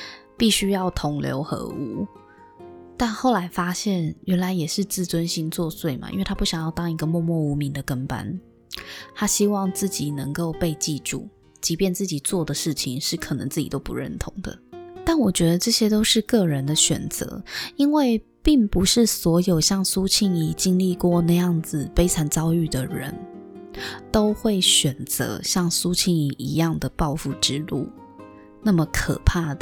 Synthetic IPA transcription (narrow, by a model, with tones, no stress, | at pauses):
pi˥˩ɕy˥jɑ˥˩ʊt̪ʰʊ˧˥ŋljo̰˧˥ʊxɤ̰˧˥ṵ˧˥˦ | t̪a˥˧nxo˥˩ʊla˧˥ɪfa˥ɕjɛ˥˩nɥɛ˧˥nla˧˦ɪjɛ˨˩ʂɻ̩˥˧t͡sɹ̩˥˩t͡swə˦nɕi˥nt͡swɔ˥˧swe˥˩ɪma̰˩ʔḭ˥nwe˥˩t̪ʰa˥pu˥˩ɕjɑ˨˩ŋjɑ˥˩ʊt̪ɑ˥ŋi˧˥ɡə˨mwɔ˥˧mwɔ˥˩u˧˥mi˨˦nd̪ə˨kə˦˥npa̰˦n | t̪ʰa˥ɕi˥wɑ˥˧ŋt͡sɹ̩˥˩t͡ɕi˨˩nə˧˦ŋko˥˧ʊpe˥˧ɪt͡ɕi˥˧ʈ͡ʂṵ˥˩ | t͡ɕi˧˥pjɛ˥˧nt͡sɹ̩˥˩t͡ɕi˨˩t͡swɔ˥˩d̪ə˩ʂɻ̩˥˩t͡ɕʰi˩ŋʂɻ̩˥˩kʰɤ˨˩nə̰˧˦ŋt͡sɹ̩˥˩t͡ɕḭ˨˩t̪o˥ʊpṵ˧˦ɻə̰˥˩nt̪ʰʊ˧˥ŋd̪ə̰˨t̪a˥˩nwɔ˨˩t͡ɕɥɛ˧˦˥d̪ə˧ʈ͡ʂɤ˥˩ɕjɛ˥t̪̬o˥ʊʂɻ̩˥˧kɤ˥˩ɻə˧˦nd̪ə˧ɕɥɛ̰˨˩nt͡sɤ̰˧˦i˥nwe˥˩ɪ | pi˥˩ŋpu˧˦ʂɻ̩˥˩swɔ˧˥jo˨˩ʊɕjɑ˥˩ŋsu˥t͡ɕʰi˥˩ŋi˨˩t͡ɕi˥nli˥˧kwɔ˥˨˩na˥˧jɑ˥˩ŋd͡zɹ̩˨˩fe˥ɪʈ͡ʂʰɑ˧˥ŋt͡sɑ˥ʊy˥˩d̪ə˩ɻə̰˧˦n | t̪o˥ʊxwe˥˩ɪɕɥɛ˨˩nt͡sɤ̰˧˦ɕjɑ˥˩ŋsu˥t͡ɕʰi˥ŋi˨˩ʔi˧˥jɑ˥˩ŋd̪ə˩pɑ˥˧ʊfu˥˩ʈ͡ʂɻ̩˥lṵ˥˩ | na˥˩mə˩kʰɤ̰˨˩pʰa˥˩d̪ə˩